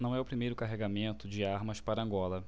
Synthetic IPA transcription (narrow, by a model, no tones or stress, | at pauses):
nɐ̃w̃ɛʊpɾimejɾʊkaɦeɡamẽnt̪ʊd͡ʒɪaɾmɐspaɾɐɐ̃ŋɡɔlɐ